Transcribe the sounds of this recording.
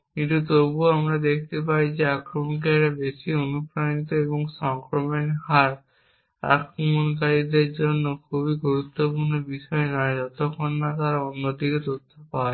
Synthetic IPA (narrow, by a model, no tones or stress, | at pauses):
kinʈ̪ut̪obuamɾad̪ekʰt̪epaɾid͡ʑeakɾomonk̬eɛɾabeʃionupɾanit̪oeboŋʃɔŋkɾomenɦaɾ | a̰kɾomonkaɾid̪eɾd͡ʑonːokʰubiɡuɾut̪ːopuɾnobiʃɔenɔed͡ʑɔt̪okʰːonːat̪aɾaonːod̪iket̪ot̪ʰːopae